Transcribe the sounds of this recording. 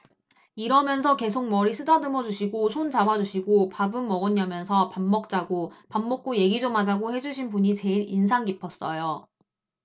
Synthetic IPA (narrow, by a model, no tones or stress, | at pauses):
iɾʌmjʌnsʰʌke̞sʰoŋ̚mʌɾisʰɯdanɯmʌd͡ʑuɕʰiɡosʰont͡ɕabad͡ʑuɕʰiɡopabɯmːʌɡʌɲːamjʌnsʰʌpamːʌk̚t͡ɕ͈aɡopamːʌk̚k͈oje̞ɡid͡ʑomad͡ʑaɡohe̞d͡ʑuɕʰinbuɲit͡ɕe̞iɾinsʰaŋɡipʰʌs͈ʌjo